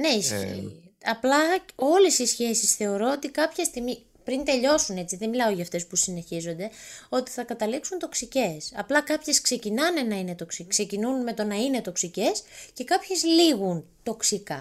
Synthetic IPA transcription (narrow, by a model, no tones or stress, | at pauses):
ne̞isçḭ | ɐplɐo̞le̞sisçe̞sisθe̞o̞ɾoot̪ikɐpçɐst̪imi | pɾint̪e̞ʎo̞sune̞t͡siðenmilɐo̞ʝɐːft̪e̞spusine̞çizo̞nd̪e̞o̞t̪i̥θɐkɐt̪ɐliksunt̪o̞ksice̞sɐ̰plɐkɐpçe̞skse̞cinɐne̞nɐine̞t̪o̞ksikse̞cinunme̞t̪o̞nɐine̞t̪o̞ksice̞sce̞kɐpçe̞zliɣunt̪o̞ksikɐ